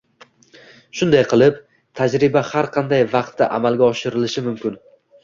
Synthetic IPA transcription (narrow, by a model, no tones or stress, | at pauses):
ʃʊnd̪ajqʰɨlˠɪp | t̪ʰad͡ʒɾɪbahaɾqʰɑnd̪ajvɑqt̪ʰːaʔamalˠɡʲaɒʃɪɾɪlɪʃɪmʊmkʲʊn